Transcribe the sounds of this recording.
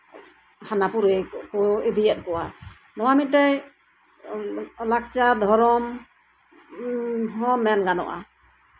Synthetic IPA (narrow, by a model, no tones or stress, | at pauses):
hanapuɾɛkɔebijɛt̪̚pɔwa | nɔwamit̪̚taj | lak̚t͡ʃad̪ʱɔɾɔm | ɦɔmɛnɡanɔ̰ʔa̰